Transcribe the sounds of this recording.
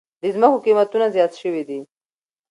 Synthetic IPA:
d̪əzməkokimat̪unazjɑt̪ʃəwid̪i

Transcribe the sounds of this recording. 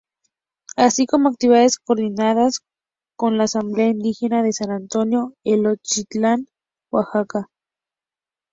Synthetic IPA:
asikomoak̚t̪iβiaðeskoɾðinaðas | konlaːsambleaind̪ixenaðesanant̪onjoelot͡ʃit͡ɬan | waxaka

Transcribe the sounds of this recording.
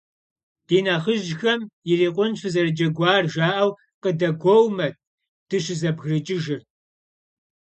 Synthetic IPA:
d̥eːnaχəʒxɐmjɪriːqʷʼʊnʃʰɨzɐrɨd͡ʒʼɐɡʷɑːrʒaːʔɐw | qədɐɡʷowmɐt̚ʰ | d̥ɨɕɪzɐbɣrɨt͡ʃʼɪʒɪr

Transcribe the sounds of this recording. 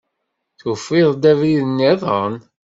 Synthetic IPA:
θufiðˤd̪æviðənːeðˤən

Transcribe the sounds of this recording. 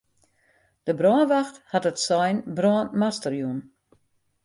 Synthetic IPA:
d̥əbrɔːnʋaxthatətsɔjnbrɔənmastərjun

